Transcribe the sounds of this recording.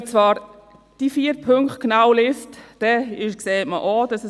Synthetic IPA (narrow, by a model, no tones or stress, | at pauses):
t͡svɑːɾ | d̥ifiːəɾpʰøŋkχt̚knawlɪstd̥ɛɪʃkseːtməʔod̥ɑsə